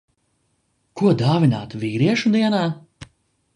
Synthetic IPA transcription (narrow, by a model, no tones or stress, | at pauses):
kuɔd̪aːvinaːt̪vʲiːɾiɛʃud̪iɛnaː